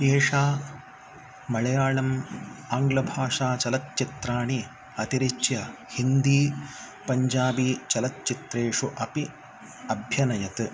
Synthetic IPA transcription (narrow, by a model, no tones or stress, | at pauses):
d̪eːʂaː | mɐɭɐjaːɭɐmaːŋɡlɐbʱaːʂaːt͡ʃɐlɐt̪̚t͡ʃit̪ɾaːɳi | ɐt̪iɾit͡ʃjɐ | hind̪iː | pɐɲd͡ʒaːbiːt͡ʃɐlɐt̪̚t͡ʃit̪ɾeːʂuʔɐpi | ɐbʱjɐnɐjɐt̪ɨ